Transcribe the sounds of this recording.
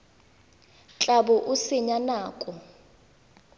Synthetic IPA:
t͡ɬʼabɔʔusiɲanaːkʼɔ

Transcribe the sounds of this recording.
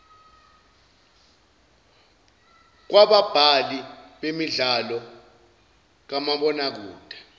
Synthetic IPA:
k̬waɓab̥ʱaliɓemiɮalɔ | k̬amaɓɔnak̬uːd̥ʱḁ

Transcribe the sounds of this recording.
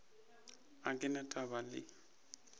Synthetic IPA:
akʼɪnatʼaβalɪ̰

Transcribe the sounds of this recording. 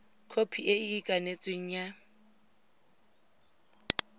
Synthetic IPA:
kʰopʰiʔeɪikʼanet͡sʼweŋ̩ja

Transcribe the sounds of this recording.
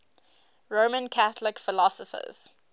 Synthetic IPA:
ɹoːmə̃nkʰaθəlɪkfɪlɔsəfə̰z̥

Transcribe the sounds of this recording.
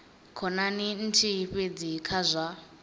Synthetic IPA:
kʰɔnanin̩tʰiɸed͡zikʰazʷa

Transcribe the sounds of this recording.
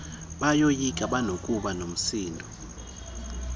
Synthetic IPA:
ɓajojikʼaɓanokʼuɓanom̩siːndʱɔ

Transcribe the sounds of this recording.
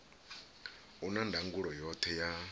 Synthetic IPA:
unandʱaŋɡuɺɔjɔt̪ʰɛja

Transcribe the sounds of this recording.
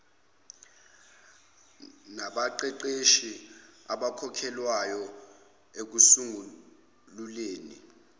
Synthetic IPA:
naɓaǃɛǃeʃiaɓakʰɔkʰɛlwajɔ | ek̬usuŋu | luleːni

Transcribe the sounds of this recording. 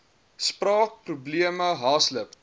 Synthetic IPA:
sprɑːk̚prubliəməɦɑːsləp

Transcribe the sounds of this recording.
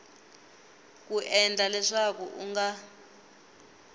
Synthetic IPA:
kuʔɛnd͡ɮʱalɛʂakuʔṵŋɡa

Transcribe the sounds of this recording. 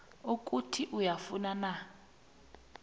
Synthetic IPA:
uk̬ʼutʰiʔujafunana

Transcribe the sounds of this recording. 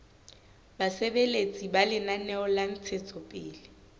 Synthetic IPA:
basebelet͡sʼibalɪnanɛɔlan̩t͡sʰet͡sʼɔpʼɪːlɪ

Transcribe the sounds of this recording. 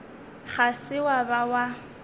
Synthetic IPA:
χasɪwabawa

